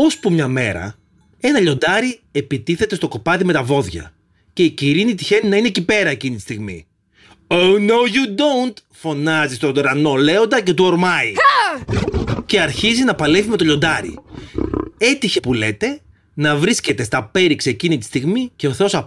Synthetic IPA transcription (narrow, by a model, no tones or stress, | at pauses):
o̞spumɲɐme̞̰ɾɐ̰ | e̞nɐʎo̞nd̪ɐɾie̞pit̪iθe̞t̪e̞st̪o̞ko̞pɐðime̞t̪ɐvo̞ðʝɐ̰ | ce̞iciɾinit̪içe̞ninɐinecipe̞ɾɐecinit̪i̥st̪iɣmḭ | ownowʝud̪ownt̪ | fo̞nɐzist̪oɾɐno̞le̞o̞nd̪ɐce̞t̪uoɾmɐi | ce̞ɐɾçizinɐpɐlefime̞t̪o̞ʎo̞nd̪ɐɾḭ | e̞t̪içe̞pule̞t̪e̞ | nɐvɾisce̞t̪e̞st̪ɐpe̞ɾiksiecinit̪i̥st̪iɣmice̞o̞θe̞o̞sɐ